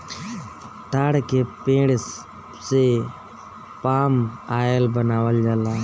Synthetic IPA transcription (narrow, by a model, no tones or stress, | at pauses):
ʈaːɽkepẽːɽ | se | paːmaːəlbənaːʋəld͡ʒalaː